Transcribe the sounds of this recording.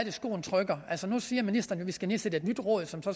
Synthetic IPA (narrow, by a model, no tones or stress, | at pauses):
d̥e̝sɡ̥o̝̰ːn̩t͡sʰʁœɡ̥ɐʔæl̰sɒnusiːɐminisd̥ɐnjo̝ʋisɡ̥æne̝ːsed̥əe̝d̥nyd̥ʁɔ̰̽ːð̩ˠsɒ̽msɒ̽